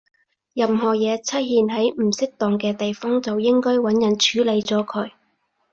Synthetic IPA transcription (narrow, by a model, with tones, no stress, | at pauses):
jɐ˨mɦɔː˨˩jɛː˨˧t͡sʰɐ˥jhiː˧nɦɐ˨˥jm̩˨˩sɪ˥k̚t̪ɔː˨ŋkɛː˧t̪e˨jfɔː˥ŋt͡sɐ˨wjɪ˥ŋkɔː˥jwɐ˨˥njɐ˨˩nt͡ʃʰyː˨˥le˨˧jt͡sɔː˨˥kʰɵ˨˥ɥ